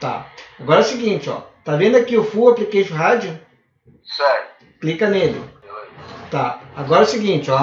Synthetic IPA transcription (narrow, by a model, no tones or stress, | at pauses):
t̪a̰aɡɔɾɐsɪɡĩnt͡ʃɪɔ̰t̪avẽnd̪ʊakiʊfuaplikeʃʊɦad͡ʒʊ | sɛɾʊ | klikɐnelɪ̰ | t̪aaɡɔɾɐsɪɡĩnt͡ʃɪɔ